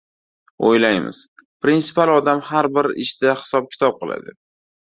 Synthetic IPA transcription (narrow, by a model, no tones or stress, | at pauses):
o̰jlajmɪ̰z̥pɾinsɪ̥palˠɒd̪amhaɾbɪɾɪ̰ʃd̪̥ahɪ̥sɒp̚kʲʰɪ̥t̪ʰɒp̚qʰɨlˠa̰d̪ɪ